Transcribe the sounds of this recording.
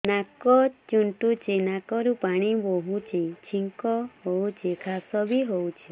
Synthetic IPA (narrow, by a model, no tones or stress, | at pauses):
nakɔt͡ʃuɳʈut͡ʃʰinakɔɾupaɽ̃iboɦut͡ʃʰit͡ʃʰiŋkɔɦowt͡ʃʰekʰasɔbʱiɦowt͡ʃʰi